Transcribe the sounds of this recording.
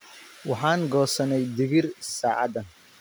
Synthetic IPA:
wɑħɑːŋɡɔːsɐnɛjd̪ɪɣɪrsaːʕɑ̰d̪ɐn

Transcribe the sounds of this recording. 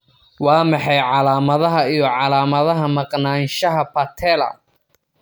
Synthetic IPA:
wɑːmɑħɑjʕɑlaːmɐðɐɦɐijɞʕɑlaːmɐðɐɦɐmɐqnaːnʃɐɦɐpʰɐt̪ʰɛːlɐ̰

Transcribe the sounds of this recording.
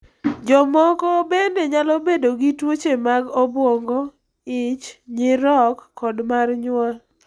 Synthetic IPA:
d͡ʒɔmɔkɔbendeɲalɔbedoɡitwot͡ʃemaɡobwɔŋɡɔ | ɪt͡ʃɲɪɾɔkːɔdmarɲwa

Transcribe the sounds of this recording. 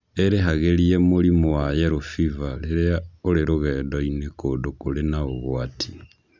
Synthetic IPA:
eɾeɦaɣeliemolimowajeɾofivaleɾeaoɾeɾoɣɛːdɔinekodokolenaoɣwatʰi̥

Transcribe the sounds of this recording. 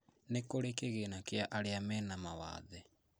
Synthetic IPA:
nekoɾekeɣenakjaʔaɾeamɛnamawa̰ːðɛ

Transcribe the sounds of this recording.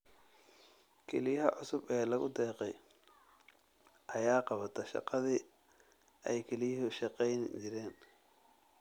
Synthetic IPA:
kʰɛlɪjɐɦɐʕʊsʊbɛːlɐɣʊ̰d̪ɛːqɛj | ʔɐjaːqɑβɐt̪ʰɐʃɑ̰qɑði | ʔɛjkʰɛlɪjɐɦʊʃɑqɛjnd͡ʒɪɾɛːn

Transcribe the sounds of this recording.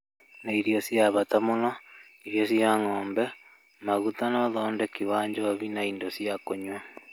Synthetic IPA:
naiɾiɔsjaβatamona | iɾjɔsiaŋɔːmbɛ | maɣutanɔðɔːndɛkiβaːɲd͡ʒɔβinaindosjakoɲwa

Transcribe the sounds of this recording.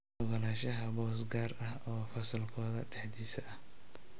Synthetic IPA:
ɔɣɐlaːʃɐɦɐbɔːsɡaːrɐhɔːfɐsɐlkʰɔːðɐ̰ɖɛħd̪iːsɐʔɐh

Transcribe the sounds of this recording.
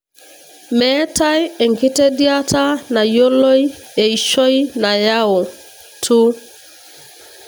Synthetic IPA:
mɛtajeŋkitediatanajolojeiʃojnajawo | tʰu

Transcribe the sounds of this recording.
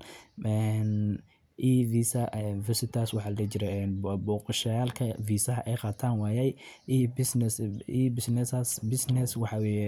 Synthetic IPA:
ɛn | ʔiːviːsɐʔvɐsɪt̪ʰaːswɑħɑːlɐɡɐt͡ʃɪɾɛɛːnbɔːqɑʃɐjaːlkʰɐviːsɐɦɐʔɛjqɑːt̪ʰaːnwaːjɛj | bɪsnsiːbɪsnɛsasbɪsnɛswɑħɑwɛːjɛ

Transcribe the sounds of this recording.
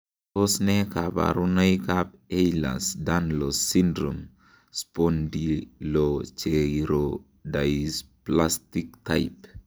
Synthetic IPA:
ɔsnɛkaba̰ɾunajkap̚ejla̰sdanlosindɾɔm | spondilot͡ʃeɾo | dasplastikta̰jp

